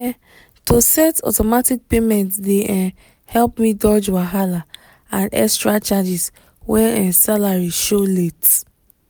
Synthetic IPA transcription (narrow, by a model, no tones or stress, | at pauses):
tosɛtɔ̰tɔmatik̚pemɛ̃ntdeɛ̃ | hɛlpmĩdɔd͡ʒwaɦala | ãnɛ̰kstɹat͡ʃad͡ʒis | wɛ̃nɛ̃salaɹiʃolet